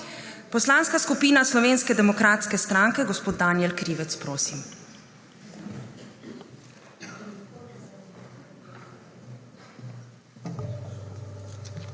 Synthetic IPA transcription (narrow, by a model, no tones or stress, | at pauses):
pɔslaːnskaskupiːnaslɔʋeːnskɛd̪ɛmɔkɾaːt̪skɛst̪ɾaŋkɛɡɔspoːd̪̚d̪aːnjɛlkɾiːʋɛt̪spɾoːsim